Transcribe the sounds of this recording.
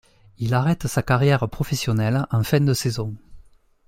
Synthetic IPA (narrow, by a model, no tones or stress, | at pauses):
ilaʁɛt̪əsakaʁjɛʁəpχɔfɛsjɔnɛlɑ̃fɛ̃d̪əsezɔ̃